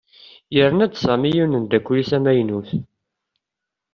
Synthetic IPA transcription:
jəɾənæd̪sæmijunənd̪ækʷːliθæmæjnuθ

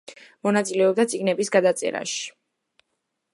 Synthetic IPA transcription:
mɔnat̪sʼilɛɔb̚d̪at̪sʼiɡnɛbisɡad̪at̪sʼɛ̰ɾa̰ʃi̥

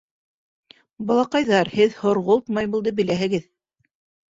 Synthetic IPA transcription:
bɑlˠɑqɑjðɑɾhɘðhŏɾʁolˠt̪mɑjbulˠd̪ɤbɘ̆læɦɘ̆ɡɘð

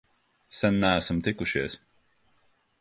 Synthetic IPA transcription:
sɛnːææsamt̪ikuʃiɛs

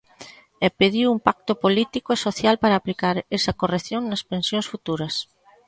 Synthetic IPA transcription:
epeðiwumpak̚t̪opolit̪ikoesoθjalpaɾɐːplikaɾesɐkoreθjoŋnɐspẽnsjõnsfut̪uɾɐs

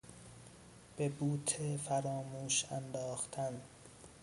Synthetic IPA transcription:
b̥e̞buːt̪ʰefæɾɒːmuːʃænd̪ɒːxt̪ʰæn

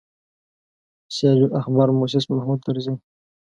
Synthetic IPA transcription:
sjɑd͡ʒuʔaxbɑɾmus̬ɪsmahmud̪̚t̪ːaɾzin

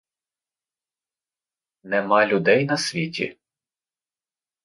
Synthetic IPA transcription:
nɛmɑlʲʊd̪ɛjnɐsʲʋʲitʲḭ

